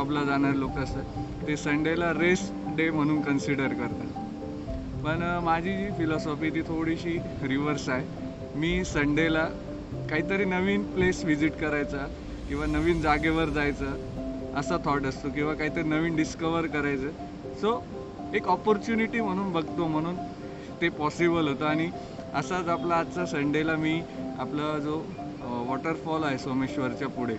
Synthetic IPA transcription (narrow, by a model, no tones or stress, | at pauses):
ɔblad͡zaɳ̃aɾlokəsə | t̪esəɳɖelaɾes | ɖem̤əɽ̃uːnkənsiɽəɾkəɾt̪a̰ | pəɳmad͡ʑʱid͡ʑiːfilɔsɔfit̪iːt̪ʰoɽiɕiː | ɾiʋəɾsae | miːsəɳɖela | kaɦiːt̪əɾiːnəʋiːnplesʋid͡ziʈkəɾajt͡sa | kĩw̃ʋanəʋiːnd͡zaɡeʋəɾd͡zajt͡səː | əsat̪ʰɔɾʈəst̪okĩw̃ʋakaɦit̪əɾinəʋiːnɖiskəʋəɾkəɾajt͡səː | so | ekɔpɔɾt͡ɕuniʈiːm̤əɽ̃uːnbəɡʱt̪om̤əɽ̃uːn | t̪epɔsibəlɦot̪əaɽ̃i | əsat͡saplaːt͡sasəɳɖelamiːaplad͡zo | ʋɔʈəɾfɔlaɦesomeɕʋəɾt͡ɕjapuɽ̤e